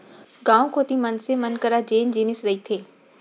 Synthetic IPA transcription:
ɡãːõkʰoːt̪imənsemənkəɾad͡ʒeːnd͡ʒiːnɪsɾɐit̪ʰeː

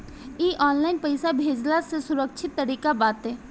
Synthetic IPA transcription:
iːʔɔːnlaːɪnpəɪsabʱeːd͡ʒlasesʊɾəkʃʰɪt̪ːəɾiːkabaːt̪ɦɛː

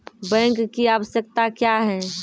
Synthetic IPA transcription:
bɛ̃ŋkːiaʋəsjək̚t̪akjaɦɛ̃

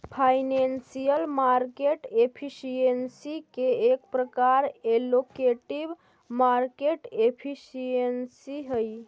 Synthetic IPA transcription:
pʰajnensijəlmaɾkeʈepʰisijensikeekpɾəkaɾelokeʈib | maɾkeʈepʰisiensiɦəj

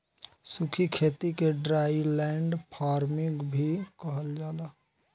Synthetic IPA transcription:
sukʰikʰet̪ikeɖɾailɛɳɖpʰaɾmiɡbʱikəɦəld͡ʒaːla

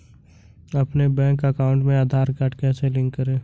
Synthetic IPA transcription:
ɐpnebɛ̃ːkəkaːʊ̃ɳʈmẽaːd̪ʱaːɾkaʈkɛːselɪ̃ŋkːəɾẽː

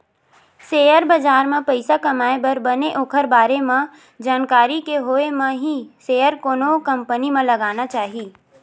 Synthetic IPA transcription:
seːjəɾbəd͡ʒaːɾmẽpəɪsakɐmaːebəɾbəneʔoːkʰəɾbaːɾemẽ | d͡ʒaːnkaːɾikeɦoːemẽɦiseːəɾkoːnokə̃mpənimẽlɐɡaːnat͡ʃaːɦiː

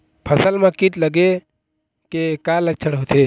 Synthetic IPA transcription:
pʰəsəlmãkit̪ləɡe | kekalək̚t͡ʃʰəɽɦot̪ʰe

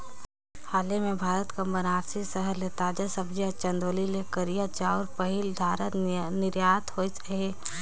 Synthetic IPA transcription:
haːlemẽbʱaːɾət̪kamənaːɾsisəɦəɾlet̪aːd͡ʒasəbd͡ʒiət͡ʃə̃nd̪oːlilekəɾijat͡ʃaɔɾpəɦɪld̪ʱaːɾənɪɾjaːt̪hoit͡ʃɦe

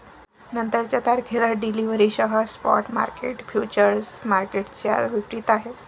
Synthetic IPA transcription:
nənt̪əɾt͡ɕjat̪aɾkʰeləɖiliʋɾiɕəɦəspɔ̰ʈma̰ɾkeʈfjut͡ɕəɾsmaɾkeʈt͡ɕja̰ʋikʈiːt̪aɦe

